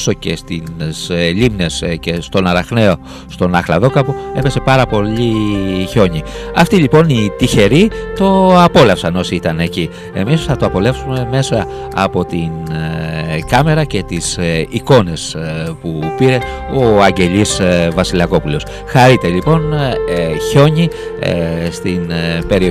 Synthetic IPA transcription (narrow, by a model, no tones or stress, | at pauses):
so̞ce̞st̪insʎimne̞sce̞st̪o̞nɐɾɐxne̞o̞ | st̪o̞nɐxlɐðo̞kɐpue̞pe̞se̞pɐɾɐpo̞ʎiço̞ɲiɐft̪iʎipo̞nit̪içe̞ɾit̪o̞ɐpo̞lɐfsɐno̞siit̪ɐne̞ci | e̞misθɐt̪oɐpo̞le̞fsume̞me̞sɐː | po̞t̪in | kɐme̞ɾɐce̞t̪isiko̞ne̞spupiɾe̞ | o̞ɐɲɟe̞ʎisvɐsilɐko̞pulos | xɐɾit̪e̞ʎipo̞n | ço̞ɲḭ | st̪inpe̞ɾio